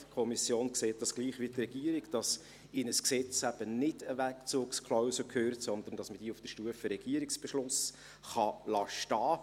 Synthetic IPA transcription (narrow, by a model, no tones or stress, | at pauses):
kʰɔmisjoːnkseːt̚d̥ɑsɡ̥liːχʋitrɛɡ̥iəɾikd̥ɑs | ɪnəsksɛt͡sæb̥ənɪdəʋækt͡suːkskʰlɔʊsəkʰøːɾtsɔnd̪əɾn̩d̥ɑsməd̥iːufd̥əʃtuəfəɾɛɡ̥iəɾɪksb̥ɛʃlʊs | χɑlɑʃtɑː